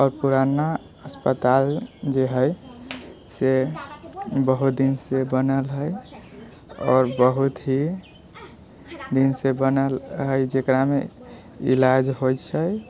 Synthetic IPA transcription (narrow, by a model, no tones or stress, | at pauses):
ɔːɾpuɾana | əspət̪ald͡ʒeɦəj | se | bəɦut̪̚d̪insebənəlɦəj | ɔːɾbəɦut̪ɦi | d̪insebənəlɦəjd͡ʒekɾamḛ | ḭlad͡ʒɦojt͡ʃʰəj